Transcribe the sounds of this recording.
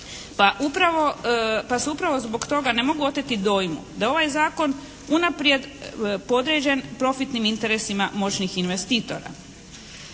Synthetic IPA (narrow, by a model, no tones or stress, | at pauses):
paʔupɾaʋopaseupɾaʋo̞zbo̞kt̪o̞ɡane̞mo̞ɡuo̞t̪et̪id̪o̞ːjmṵd̪ao̞ʋajzaːko̞n | unapɾje̞d̪po̞d̪ɾed͡ʑe̞npɾo̞fit̪nimint̪e̞ɾesimamo̞t͡ʃnixinʋe̞st̪iːt̪o̞̰ɾa̰